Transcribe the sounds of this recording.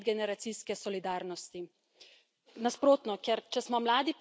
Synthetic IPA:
d̪ɡɛnɛɾat̪siskɛsɔlid̪aːɾnɔst̪i | naspɾoːt̪nɔkɛɾt͡ʃɛsmɔmlaːd̪ip

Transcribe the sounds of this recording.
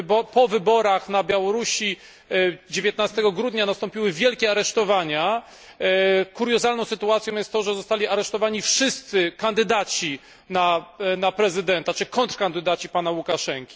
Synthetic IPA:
bɔpɔvɘbɔɾaxnabʲjawɔɾuɕi | d͡ʑevʲjɛt̪nast̪ɛɡɔɡɾud̪ɲanast̪ɔ̃mpʲiwɘvʲjɛlkʲɛaɾɛʂt̪ɔvaɲa | kuɾjɔzalnɔ̃sɘt̪uat̪sʲjɔ̃wjɛst̪ːɔʐɛzɔst̪alʲiaɾɛʂt̪ɔvaɲifʂɘst̪sɘkand̪ɘd̪at͡ɕi | nanapɾɛzɘd̪ɛnt̪at͡ʂɘkɔnt̪ɾkand̪ɘd̪at͡ɕipanawukaʂɛŋkʲi̥

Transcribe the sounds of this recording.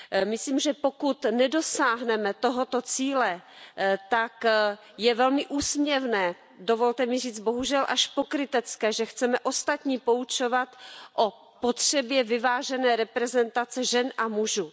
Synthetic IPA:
mɪsliːmʒɛpo̞kut̪nɛdosaːɦnɛmɛt̪o̞ɦo̞t̪o̞t͡siːlɛ | t̪ak | jɛvɛlmɪʔuːsmɲɛvnɛː | dovo̞lt̪ɛmɪriːd͡z̪bo̞ɦuʒɛlʔa̰ʃpokɾɪt̪ɛt͡skɛːʒɛxt͡sɛmɛʔo̞st̪at̪ɲiːpo̞ut͡ʃo̞vat̪ʔo | pot̪r̥ɛbjɛvɪvaːʒɛnɛːɾɛpɾɛzɛnt̪at͡sɛʒɛnʔamuʒuː

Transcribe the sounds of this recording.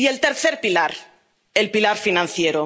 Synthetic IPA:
ielt̪eɾθeɾpilaɾ | elpilaɾfinãn̟θjeɾo

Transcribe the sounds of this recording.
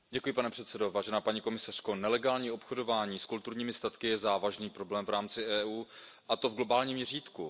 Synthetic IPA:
ɟɛkujɪpanɛpr̥ɛt̪sɛdo̞vaːʒɛnaːpaɲiko̞mɪsar̝̥ko̞nɛlɛɡaːlɲiːo̞pxodo̞vaːɲiːskult̪uɾɲiːmɪst̪at̪kɪjɛzaːvaʒniːpɾo̞blɛːmvɾaːmt͡sɪʔɛːʔuːʔat̪o̞vɡlo̞baːlɲiːmɲɛriːt̪ku

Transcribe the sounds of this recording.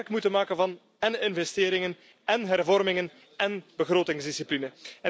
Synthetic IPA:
rkmutənmaːkənvɑn | ɛnɪnvɛstɪːɾɪŋən | ɛnɦɛrvɔrmɪŋən | ɛnb̥əɣroːtɪŋzdisiplinəɛ

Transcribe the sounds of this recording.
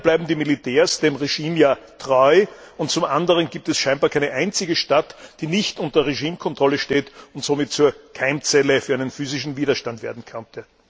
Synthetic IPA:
blæɪbm̩diːmilitʰɛːɐsd̥eːmʁeʒiːmjaːtʁ̥ɔʏʊnt̚t͡sʊmʔandəʁənɡiːp̚tɛsʃæ̃ɪnbaːɐkʰaɛɪnəʔæɪnt͡sɪɡəʃtatd̥iːnɪçtʔʊntɐʁeʒiːmkʰɔntʁ̥ɔləʃteːtʊntz̥oːmɪtt͡suːɐkʰaɪmt͡sɛləfyːɐæɪnənfyːzɪʃn̩viːdɐʃtantvḛːɐdn̩kʰœntə

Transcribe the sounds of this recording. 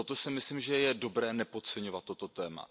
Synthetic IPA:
ot̪osɪmɪsliːmʒɛjɛdo̞bɾɛːnɛpo̞t͡sɛɲovat̪ːo̞t̪o̞t̪ɛːma̰

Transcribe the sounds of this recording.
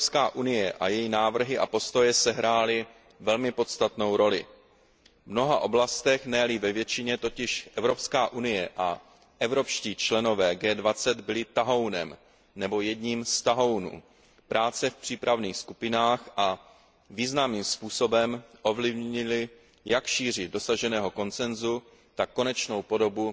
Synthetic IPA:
skaːʔunɪjɛʔa̰jɛjinaːvr̩ɦɪʔapo̞st̪o̞jɛsɛɦɾaːlɪ | vɛlmɪpo̞t̪st̪at̪no̞wɾo̞lɪ̰ | vno̞ɦaʔo̞blast̪ɛxnɛlɪvɛvjɛt͡ʃɪɲɛt̪o̞cɪʃʔɛvɾo̞pskaːʔunɪjɛʔa | ʔɛvɾo̞pʃciːt͡ʃlɛno̞vɛːɡɛːdvat͡sɛd̪bɪlɪt̪aɦo̞wnɛ̰m | nɛbo̞jɛdɲiːmst̪aɦo̞wnṵː | pɾʔaːt͡sɛfpr̥iːpɾavniːxskupɪnaːxʔa | viːznamiːmspuːsobɛmʔo̞vlɪvɲɪlɪ | jakʃiːr̝ɪdo̞saʒɛnɛːɦo̞ko̞nt͡sɛnzu | t̪akːo̞nɛt͡ʃno̞wpo̞do̞bu

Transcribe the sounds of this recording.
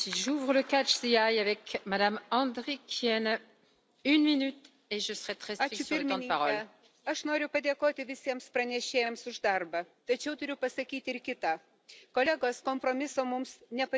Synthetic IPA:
siʒuvʁələkat͡ʃd̪iajavɛkmad̪amɑ̃d̪ʁikʲʰjɛn | ynminyt̪ | eʒəsəʁɛt̪ʁɛaːt͡ʃʊɪɾʲmʲɪɑ̃d̪nʲɪpaʁɔlɛ | ɐʃnoːɾʲʊpɐd̪ʲeːkoːt̪ʲɪʋʲɪsʲiɛmspɾɐnʲɛʃʲeːjɛmsʊʒd̪ɐrbɐt̪ɐt͡ʃʲɛʊt̪ʊɾʲʊpɐsɐkʲiːt̪ʲɪɾkʲɪt̪a | koːlʲæɡoːskompɾoːmʲɪsoːmʊmsnʲɛpɐ

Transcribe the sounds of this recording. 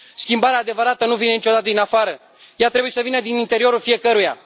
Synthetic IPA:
skʲimbaɾeaːd̪e̞vəɾat̪ənuvine̞nit͡ʃo̞d̪at̪əd̪inafaɾə | jat̪ɾe̞bujesəvinəd̪inint̪e̞ɾio̞ɾulfije̞kəɾuja̰

